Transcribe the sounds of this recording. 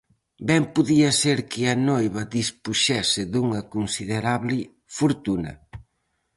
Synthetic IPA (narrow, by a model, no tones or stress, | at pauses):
bɛmpuðiɐseɾkɪɐnojβɐðispuʃɛsɪðuŋɐkunsiðeɾaβlɪ | fuɾt̪unɐ̰